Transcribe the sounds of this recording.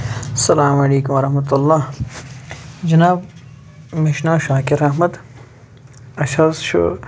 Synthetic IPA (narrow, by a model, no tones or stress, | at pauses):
ɐsɐlaːmɐleːkʊmɐɾɐhmɐt̪ulːaː | d͡ʒɐnaːb | meʃnaːʃaːkeɾɐɦmɐd̪ | ɐʃazʃo̰